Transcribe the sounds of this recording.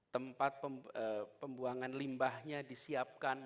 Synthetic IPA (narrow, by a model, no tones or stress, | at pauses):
t̪əmpat̪̚pəəpəmbuaŋanlimbahɲadisiap̚kan